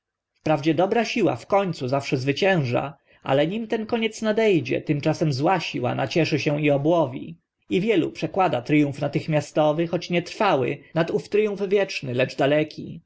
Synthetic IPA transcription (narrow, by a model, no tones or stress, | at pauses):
fpɾavd͡ʑɛd̪ɔbɾaɕiwa̰fkɔɲt̪suzafʂɛzvɘt͡ɕɛ̃w̃ʐa̰ | a̰lɛɲimt̪ɛnkɔɲɛt̪snad̪ɛjd͡ʑɛ̰t̪ɘmt͡ʂasɛmzwaɕiwa̰na̰t͡ɕɛʂɘɕɛw̃iɔbwɔvʲḭ | ivʲjɛlṵpʂɛkwad̪at̪ɾɘjũfnat̪ɘxmʲjast̪ɔvɘxɔt͡ɕɲɛt̪ɾfawɘ̰nat̪uft̪ɾɘjũfvʲjɛt͡ʂnɘlɛd͡ʐd̪alɛkʲʰi